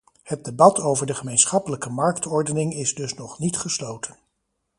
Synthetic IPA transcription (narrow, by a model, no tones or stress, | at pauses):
hət̚debɑtowvəɹdəχəmejnsχɑpələkəmɑɹktɔɹdənɪŋɪzdɵsnɔχnitχəslowtʰən